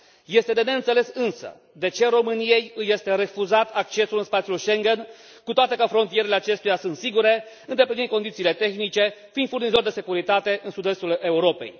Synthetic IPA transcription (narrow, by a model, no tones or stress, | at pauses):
je̞st̪e̞d̪e̞ne̞ɨnt̪se̞le̞sɨnsə̰ | d̪e̞t͡ʃe̞ɾo̞mɨnije̞jɨje̞st̪e̞ɾe̞fuzat̪ʰak̚t͡ʃe̞sulɨnspat̪siulʃe̞ŋɡe̞n | kut̪oat̪e̞kəfɾo̞nt̪ije̞ɾeleat͡ʃe̞st̪ujasɨnt̪siɡuɾe̞ | ɨnd̪e̞plinin̚ko̞nd̪it̪siːle̞t̪e̞xnit͡ʃe̞find̪furnizo̞rʲd̪e̞se̞kuɾit̪at̪e̞ʔɨnsud̪e̞st̪ule̞uɾo̞pe̞̰j